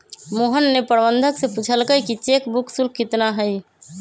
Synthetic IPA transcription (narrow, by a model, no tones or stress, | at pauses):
moɦənːepəɾbənd̪ʱəkseput͡ʃʰəlkəjkit͡ʃekbukʰsulkːit̪naɦəj